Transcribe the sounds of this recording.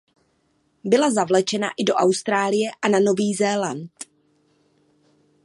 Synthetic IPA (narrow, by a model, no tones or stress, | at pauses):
bɪlazavlɛt͡ʃɛna̰ʔɪdo̞ʔawst̪ɾaːlɪjɛʔanano̞viːzɛːlant̪